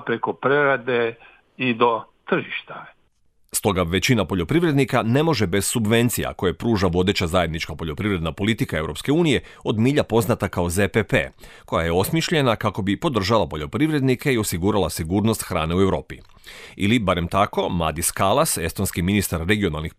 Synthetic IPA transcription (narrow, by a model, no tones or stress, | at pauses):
pɾekopɾeɾad̪e | id̪ot̪r̩ʒiʃt̪a | st̪o̞ɡaʋe̞t͡ɕinapo̞ʎo̞pɾiʋɾe̞d̪nikane̞mo̞ʒebe̞z̥subʋe̞nt̪sija̰ko̞jepɾuːʒaʋo̞d̪e̞t͡ɕazaje̞d̪nit͡ʃkapo̞ʎʲo̞pɾiʋɾe̞d̪napo̞lit̪ikae̞vɾʔo̞pske̞uːnije̞o̞d̪miːʎapo̞znat̪akaozepepḛko̞jaje̞o̞smiʃʎe̞nakako̞bipo̞d̪r̩ʒalˠapo̞ʎo̞pɾiʋɾe̞d̪nikeio̞siɡuːɾalasiɡuːɾnost̪xɾa̰ːne̞ue̞vɾo̞ːpi | ḭlibaɾe̞mt̪ako̞mla̰d̪iskalˠase̞st̪o̞nskiminist̪aɾːe̞ɡio̞nalˠnix